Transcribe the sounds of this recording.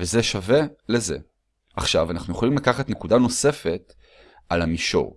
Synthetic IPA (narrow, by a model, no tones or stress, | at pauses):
vezeʃave̞leze̞̰ | ʔaχʃavanaχnujeχolimlakaχatnekudano̞se̞fe̞t | alamiʃo̞̰ʁ